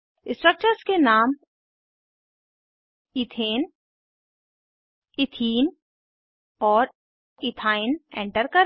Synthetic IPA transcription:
ɪ̃sʈɾək̚t͡ʃəɾskenaːm | ɪt̪ʰeːn | ɪt̪ʰiːn | ɔːɾ | ɪt̪ʰaːɪnɛ̰̃ɳʈəɾkɐɾ

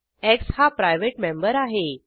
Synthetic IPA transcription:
ekshapɾajʋeʈmẽmbəɾaɦe

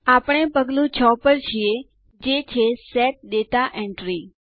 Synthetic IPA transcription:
apəɽ̃epəɡlũt͡ʃʰɔpəɾt͡ʃʰije | d͡ʒet͡ʃʰesɛʈ̚ɗ̪et̪aʔɛ̃ɳʈɾi

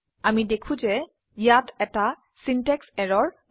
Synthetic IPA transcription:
amidekʰũzɛ | jatɛta | sintɛksɛɹɔɹ

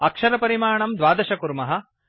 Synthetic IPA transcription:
ɐkʂɐɾɐpɐɾimaːɳɐmd̪ʋaːd̪ɐʃɐkuɾmɐɦɐ̆

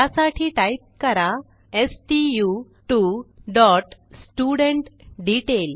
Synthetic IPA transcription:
asaʈʰiːʈait̪̚kəɾa | esʈiju | ʈuɖɔʈsʈuɽeɳʈɖiʈel

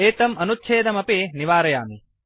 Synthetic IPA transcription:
eːt̪ɐmɐnut̪ːʃʰeːd̪ɐmɐpeːniʋaːɾɐjaːmi

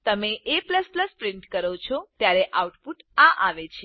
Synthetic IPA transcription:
t̪əmeʔepləspləspɾɪɳʈkəɾot͡ʃʰot̪jaɾeʔauʈpuʈãʔaʋet͡ʃʰ

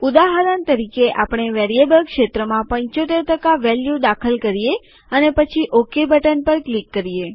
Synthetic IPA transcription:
ud̪aɦəɾənt̪əɾikeʔapɳ̃eʋɛɾijebəlkʃet̪ɾəmãpəɲt͡ʃot̪eɾt̪əkaʋɛljud̪akʰəlkəɾije | ənepət͡ʃʰiʔokebəʈənpəɾklikːəɾije

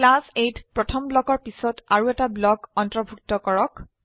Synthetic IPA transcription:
klasejtpɹɔtʰɔmblɔkɔɹpisɔtaɹuɛtablɔkɔntɹɔbʱuk̚tɔkɔɹɔk

